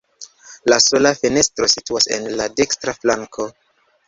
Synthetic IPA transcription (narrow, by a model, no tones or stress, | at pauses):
laso̞lafene̞stɾo̞situase̞̰nlade̞kstɾaflaŋkʰo̞